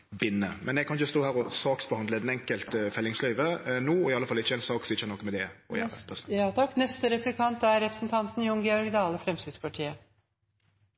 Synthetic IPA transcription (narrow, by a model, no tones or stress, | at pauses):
bɪnːəmɛnɛɡ̚kʰɑnɪçəst̪oːhæːɾɔsɑːksbəhɑnd̪ləd̪ɛnɛŋkəlt̪fɛlːɪŋslœːʋənuːɔɪɑlːəfɑlːəɪçːəɛnsɑːksɔɪçːənɔkːmɛd̪ɛɔ̰jɛɛst̪ʰɑkːnɛst̪əɾɛplɪkʰɑnt̪æɾɾɛpɾə̥sn̩t̪ʰɑnt̪n̩jʊŋɡɛɔɾɡd̪ɑːləfɾɛmst̪ɪd̪spɑʈʰiːə